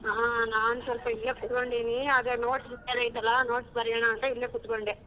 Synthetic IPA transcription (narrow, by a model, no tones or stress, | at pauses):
ɦanaːnusɐlpɐilːekut̪koɳɖiːniaːd̪ɾenoːʈsbɐɾjanɐit̪ːɐlːɐno̞ːʈsbɐɾjɐɳaːnt̪ɐilːeːkut̪koɳɖe